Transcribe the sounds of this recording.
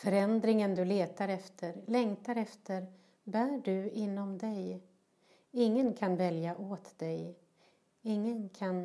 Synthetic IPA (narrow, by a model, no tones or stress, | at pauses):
fœɾɛnd̪ɾɪŋənd̪ɵleːt̪aɾɛft̪ʰəɾlɛŋt̪aɾɛft̪ʰəɾ | bæːɖɵɪnːɔmd̪ɛj | ɪŋːənkʰanvɛljaʔoːt̪d̪ɛj | ɪŋːənkʰan